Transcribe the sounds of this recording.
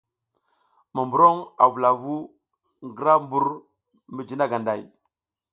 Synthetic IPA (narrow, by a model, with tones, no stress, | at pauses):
ma˨mbu˨ɾo˦ŋa˨vu˨la˨vu˦ | ŋɡə˨ɾa˦mbu˦ɾ | mi˨d͡ʒi˦na˦ɡa˨nda˨j